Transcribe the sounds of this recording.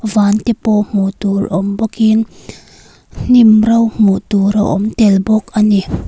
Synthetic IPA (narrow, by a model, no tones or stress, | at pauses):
vaːnt̪ɛpɔm̥uʔt̪uɾʔɔmbɔkin | n̥imrɐwm̥ut̪uɾɐwʔɔmt̪ɛlbɔk̚ʔani